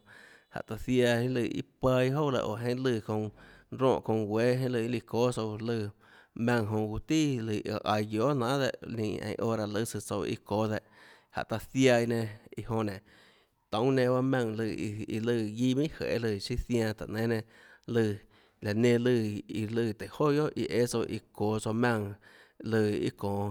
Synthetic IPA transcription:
ha̰˨t̪a˧sja˧i˦lɨ˧ʔḭ˧pa˧i˧ɦo˦wla̰˧˨ʔo̰˨ɦẽ˦lɨ˧˨kõ˧ŋɾõ̰ː˧˨ʔkõ˧ŋwʷe˦ɦẽ˦lɨ˧i˦li˧koː˦so˧wlɨ˧˨ | mã˧ŋɦõ˧ɡu˧t̪i˦lɨ˧˨˧ʔa˧jɡjo˨˦nãː˨˦d̪e˧˨ʔlḭ̃ː˧ʔḛ̃˧˨˧ʔoː˦ɾa˧lɨ˦sɨ˧t͡so˧wḭ˦koː˦d̪e˧ʔ | ha̰˨ʔt̪a˧sja˧jnẽ˧i˧ɦõ˧nẽ˨ | t̪ə̃˨˦w̃nẽ˧ba˦mã˧ŋlɨ˧˨˧ḭ˧lɨː˧ɡi˦˧mĩ˦hḛ˨ʔe˦lɨ˧ʃi˦θjã˧t̪a̰˨ʔnẽ˨˦nẽ˧ | lɨ˧ | la˨nẽ˧lɨ˧˨i˧lɨː˧˨t̪e˨ho˦jo˦ʔʔḭ˧ʔe˦so˧ʔḭ˧koː˨so˧mã˧ŋ | lɨː˧ḭ˦kõː˨

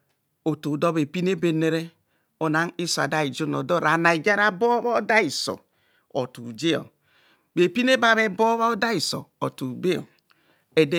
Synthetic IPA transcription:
o˨to˨do˦be˨pi˦n˦e˦be˨ne˨ɾe˦ | o˨na˨˦ŋi˦so˨a̰˨da˦i˨d͡ʒo˦no˨do˦ɾa˨na˨i˨d͡ʒa˦ɾa˦bo˦βa˦o˦da˦i˨so̰˨ | o̰˨tṵ˨d͡ʒe˦o̰˨ | be˨pi˦ne˦ba˨βe˦bo˦βa˦o˦da˦i˨so̰˨o̰˨tu˨be˦o̰˨ | e˨de˦

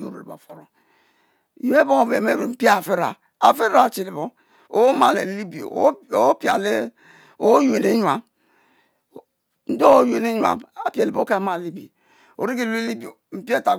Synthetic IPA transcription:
o̰˨ɾo̰˨e˨ba̰˨fo˨ɾo˨ | o˨˦e˦bo˦o˨ve˨me˦˨ɾo˨m̩˨pi˦a˦˨fe˦ɾa̰˨ | a˨fe˦a˦˨t͡ʃi˨li˨bo˦ | o̰˨˦ma˨lḛ˨li˦bi˨o̰˨˦o˨˦pi˨a̰˨le˦ | o˨˦ju˦˨e˨ne˦ɲ˨a˨m | n̩˦do˦ju˨e˨ne˦ɲ˦a̰˨ma˨pi˦e˨li˨bo˦ka˦ma˦˨li˦bi˨o˨ | o̰˨ɾi˦ɡi˦lu˦e˦li˦bi˨o˨m̩˨pi˦e˦˨ta˨

